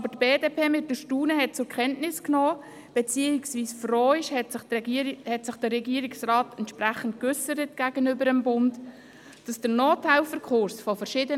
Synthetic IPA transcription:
ɑbətb̥eːdeːpʰeːmɪt̚dəʃtuːnəɦɛt̚t͡sʊɾkʰχɛntnɪsknoː | b̥ɛt͡siːɪksviːsfroːɪʃhɛtɪhɛtsɪχd̥əɾːɛɡiəɾɪksrɑːtɛntʃpræχən̩tkʏsəɾət̚ɡ̥æːɡ̥ənʏbəɾəmbʊnt | d̥ɑsd̥ənoːtʰaɪlfəɾkχʊɾsfɔfəɾʃɪːdə

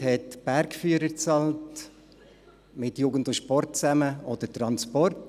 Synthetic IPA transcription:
hɛtb̥æɾkfyəɾəɾt͡sɑlt | mɪtjuːɡən̩dʊʃpɔrt̚t͡sæməɔd̪̥əɾtɾɑnspɔrt

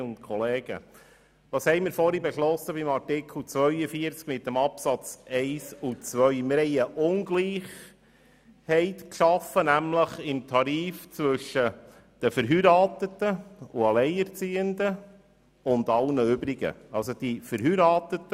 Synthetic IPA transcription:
ʊnt̪kʰɔleːɡ̥ə̰ | ʋɑːshɛɪmɪɾfɔɾibɛʃlɔsəbimɑɾtɪkʰl̩ˠt͡sʋœɥəfiəɾt͡skmɪt̪ːəmɑpsɑt͡sɛɪsut͡sʋœʏmɪɾhɛɪəʔʊnɡliːχ | hɛɪtkʃɑfənæmləχɪmt̪ʰɑɾiːft͡sʋɵʃːə | d̪̥əfəɾɦyɾɑːt̪ətəuɑlɛɪɛɾt͡siːənd̪ə | ʊnd̪ɑlnəʏbɾiɡə̰ɑlsod̪̥ifəɾɦyːɾɑːt̪ət̪ːə

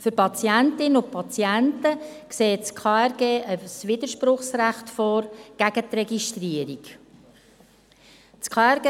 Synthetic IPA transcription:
fʏɾpɑt͡siæntɪnəʊpʰɑt͡sjæntəkseːt͡skʰɑɛɾɡ̥eːʔəsʋɪd̪əɾʃpɾʊχsræχtfɔːɾɡ̥æɡ̥ət̪rɛɡiʃt̪riəɾik | t͡skʰɑɛɾɡe

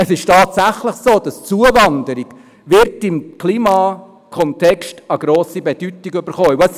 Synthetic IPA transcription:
əsɪʃtɑːtsæχləχsoːd̥ɑst͡suəvɑndəɾiɡ̥ | ʋɪɾtɪmkʰliːmɑː | kʰɔntʰɛkʃtəɡɾoːsibɛd̥ytiɡybəɾχoːs

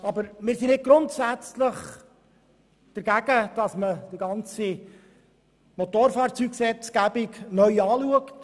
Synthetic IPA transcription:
ɑbəɾmɪːɾsinɪt̚ɡ̥ɾʊntsæt͡sləχ | d̥əɾɡ̥æɡəd̥ɑsməd̥ɪɡɑnt͡si | mot̪oːɾfɑːrt͡syksɛt͡sɡ̥æbɪknœʏɑːluəkt

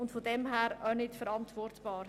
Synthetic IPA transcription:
ʊntfodɛmɦæːɾœnɪtfəɾɑntvɔrtb̥ɑːɾ

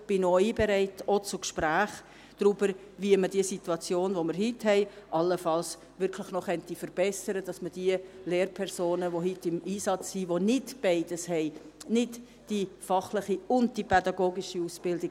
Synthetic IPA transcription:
b̥ɪnoiːbɛɾɛɪtɔt͡sʊkʃpɾæːχ | d̥ɾybəɾ | ʋiəmədiəsituɑt͡sjoːnʋoməɾɦɪthɛɪʔɑlːəfɑls | ʋɪɾkʰlɪχnɔχœntifəɾb̥ɛsəɾəd̥ɑsməd̥iəleːrpʰɛɾsoːnəʋoɦɪtːɪmiːsɑt͡shiʋonɪdb̥ɛɪd̥əshɛɪnɪd | d̥ifɑχlɪχiʊnd̚d̥ipʰɛdɑɡoːɡiʃiusb̥ɪldɪɡ

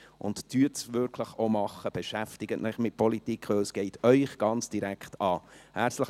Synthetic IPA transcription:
ʔʊ̰nttyːtsvʏɾkʰləχomɑχːəb̥ɛʃæftɪɡ̥ətnʔɛχmɪt̚pʰɔlitikχʋɵlsɡ̥ɛɪtœʏχɡ̥ɑnt͡sd̥iɾækʰtʰɑːhæt͡ssləχ

